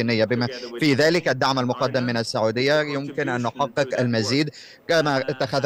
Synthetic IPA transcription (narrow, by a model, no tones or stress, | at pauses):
inːɪjːabɪmafiːðaːlɪkʔad̪ːaʕmalmʊqɑd̪ːamːɪnasːaʕuːd̪ɪjːajʊmkɪnʔanːʊħɑqːɨqalmaziːd̪ | kamaʔɪt̪ːaxað